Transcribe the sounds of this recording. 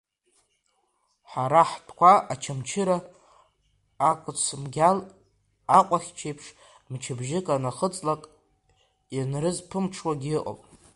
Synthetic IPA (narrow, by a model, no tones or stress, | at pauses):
ħaɾaħtʰʼkʷʰaʔat͡ʃʰamt͡ʃʰɪɾa | kʷʼʊt͡sʰmɡʲal | aqʷʼaχʲt͡ʃʰejpʰʂ | mt͡ʃʰɪbʒɪkʼanaχət͡sʼlakʼ | janrɨzpʰɨmʈ͡ʂʰwaɡʲɨʔʼo̰pʼ